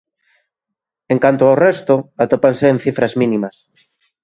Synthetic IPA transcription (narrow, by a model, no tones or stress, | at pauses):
eŋkant̪oaorest̪oat̪opanseːn̟θifɾazmĩnĩmas